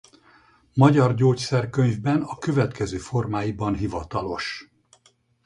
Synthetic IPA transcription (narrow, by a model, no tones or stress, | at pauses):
mɒɟɒrɟoːcsɛrkø̞ɲvbɛnɒkø̞vɛt̪kɛzøːfo̞rmaːjibɒnɦivɒt̪ɒlo̞ʃ